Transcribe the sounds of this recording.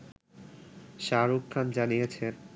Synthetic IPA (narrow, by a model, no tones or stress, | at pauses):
ʃaɾukʰːand͡ʑanijet͡ɕʰe